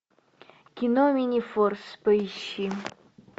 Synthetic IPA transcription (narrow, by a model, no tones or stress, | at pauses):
kʲinomʲinʲifɔrspəiɕi